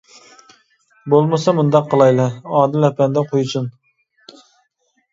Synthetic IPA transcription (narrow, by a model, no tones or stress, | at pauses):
bolˠmɨsɑmund̪ɑqːəlˠɑjlˠɑɑːd̪ɪlɛpɛnd̪ɛqʰojut͡ʃ̪ʰun